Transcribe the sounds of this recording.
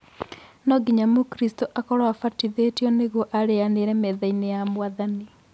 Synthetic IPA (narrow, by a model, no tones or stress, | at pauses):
nɔɡiɲamokɾistoʔakɔɾwafatiðetjɔneɣɔʔaɾeaneɾɛmɛðainejamwaðani